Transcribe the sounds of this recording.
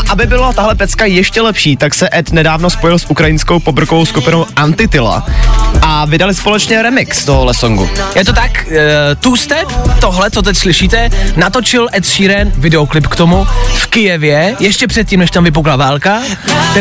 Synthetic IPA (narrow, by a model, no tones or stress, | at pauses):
ʔabɪbɪlat̪aɦlɛpɛt͡skajɛʃcɛlɛpʃiːt̪aksɛʔɛt̪nɛdaːvno̞spojɪlsʔukɾajɪnsko̞wpobɾ̩kovowskupɪnowʔant̪ɪt̪ɪla̰ʔavɪdalɪspo̞lɛt͡ʃɲɛɾɛmɪkst̪oɦoɦlɛsoŋɡṵjɛt̪ot̪akt̪ust̪ɛt̪oɦlɛt͡sot̪ɛcslɪʃiːt̪ɛnat̪o̞t͡ʃɪlʔɛt̪ʃiːɾɛnvɪdɛoklɪpkt̪omufkɪjɛvjɛjɛʃcɛpr̥ɛt̪̚cimnɛʃt̪amvɪpoklavaːlˠka